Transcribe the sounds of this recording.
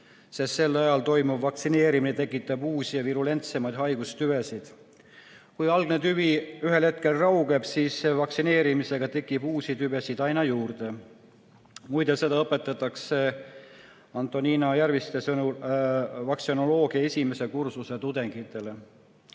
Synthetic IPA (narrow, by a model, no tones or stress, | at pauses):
se̞st̪se̞lːɑjɑlt̪o̞jmubvɑksine̞ːɾiminet̪e̞kːˑit̪ːˑɑbuːsijɑviɾule̞nt̪se̞mɑjd̪ɦɑjɡ̥ust̪yvesid̪̥ | kujɑlɡ̥net̪yviyɦelhe̞t̪̚ke̞lrɑuwɡ̥e̞b̥siːsːevɑksine̞ːɾimise̞ɡ̥ɑt̪e̞kˑːib̥uːsʲit̪yve̞sid̪ɑjnɑjuːrd̪e̞ | mujd̪ese̞d̪ɑɤpːe̞t̪ːˑɑt̪ːˑɑkse̞ | ɑnt̪ːˑo̞niːnɑjæɾvist̪esɤnu | vɑksono̞lo̞ːɡ̥iɑesʲime̞se̞kursuse̞t̪ud̪e̞ŋɡ̥it̪ːˑe̞le̞